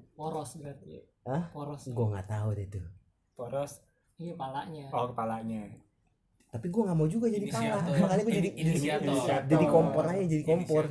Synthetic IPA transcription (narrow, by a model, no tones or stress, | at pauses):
pɔɾɔsbəɾat̪ | əhɔɾɔsɡuaŋat̪audɛt̪u | pɔɾɔs | palaɲaɔkəpalaɲa | t̪apiɡuaŋamawd͡ʒuɡad͡ʒadipalaakanikud͡ʒadid͡ʒadid͡ʒadikɔmpɔrajad͡ʒadikɔmpɔr